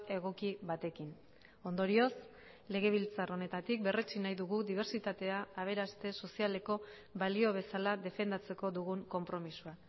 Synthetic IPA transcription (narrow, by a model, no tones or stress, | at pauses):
e̞ɣ̞o̞kiβat̪e̞kin | o̞nd̪o̞ɾio̞s | le̞ɣ̞e̞β̞ilt͡saro̞ne̞t̪at̪ik̚be̞ret͡ʃinajðuɣuðiβ̞e̞ɾt͡ʃit̪at̪e̞aːβ̞e̞ɾast̪e̞so̞siale̞ko̞ | βalio̞β̞e̞salaðe̞fe̞nd̪at͡se̞ko̞ðuɣuŋko̞mpɾo̞misua